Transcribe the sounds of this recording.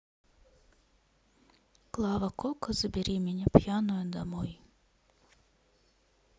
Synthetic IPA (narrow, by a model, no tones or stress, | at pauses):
klˠɑʋɐkɔkɐzɐbʲiɾʲimʲinʲɐpjɑnʊjɛd̪ɐmɔj